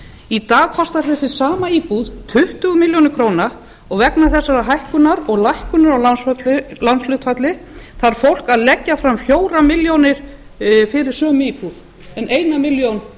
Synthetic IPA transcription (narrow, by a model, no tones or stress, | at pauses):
it̪aːɣkʰɔst̪aɾ̥θɛsːɪ̥saːmaiːpuðt̪ʰʏht̪ʏɣʏmɪljownɪɾkʰɾoːwna | ɔɣvɛknaθɛsːaɾaɦajhkʏnaɾɔɣlajhkʏnʏɾawlansat̪lɪlanslʏt̪fat̪lɪθaɾ̥fowl̥kaðlɛcːafɾamfjoːwɾamɪljownɪɾ̥ | fɪɾɪ̥sœːmʏiːpuð | ɛneːjnamɪljown